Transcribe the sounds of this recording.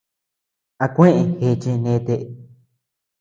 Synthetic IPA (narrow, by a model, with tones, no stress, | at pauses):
a˧kʷẽ˦ʔẽ˨xe˧t͡ʃẽ˧nẽ˧˦˧t̪e˧ʔ